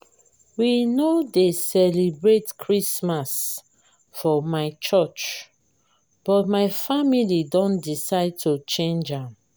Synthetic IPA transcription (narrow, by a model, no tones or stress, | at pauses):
winodesɛlibɹetkʰɹismas | fɔmaɪt͡ʃɔt͡ʃ | b̥ɔt̚maɪfamilidɔ̃ndisaɪd̚tʰut͡ʃẽnd͡ʒãm